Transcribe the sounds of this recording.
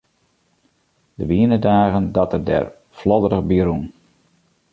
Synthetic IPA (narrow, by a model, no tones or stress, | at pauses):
d̥əʋiənədaːɣəndɑtərdɛ̰r | flɔdəɾəɣbiɾun